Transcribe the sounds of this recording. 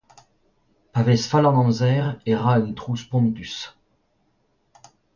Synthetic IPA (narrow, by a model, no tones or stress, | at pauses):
pavɛsfalɑ̃nɑ̃zɛʁeʁaynt̪χuspɔ̃nd̪ys